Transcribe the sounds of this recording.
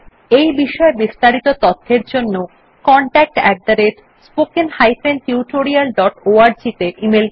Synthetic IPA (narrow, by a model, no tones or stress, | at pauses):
ejbiʃɔebist̪aɾit̪ot̪ɔt̪ʰːeɾd͡ʑonːo | kɔɳʈɛk̚ʈɛ̰k̚d̪aɾeɾ | spokenhajfent̪iuʈoɾialɖɔʈoaɾd͡ʑit̪eʔimel